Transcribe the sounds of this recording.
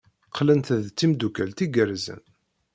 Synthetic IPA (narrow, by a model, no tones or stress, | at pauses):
qʰːlənt̪ðt͡sːimd̪ukælt̪iɡəɾzə̰n